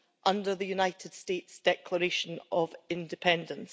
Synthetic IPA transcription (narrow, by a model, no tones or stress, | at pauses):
ʔʌ̃ndə˞ðəjʉnaɪʔɪd̥stetsd̥ɛkʰlˠəɹeʃə̃nʔəvɪ̃ndɪpʰɛ̃ndə̃ns